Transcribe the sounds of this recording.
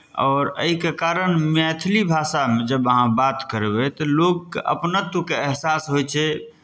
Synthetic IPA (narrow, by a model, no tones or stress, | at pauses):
ɔːɾə̰ikekaɾənmɛt̪ʰlibʱasamed͡ʒəbəɦãbat̪kəɾebɛt̪ɔloɡ̚keʔə̰pnət̪ukeɛɦsasɦojt͡ʃʰɛ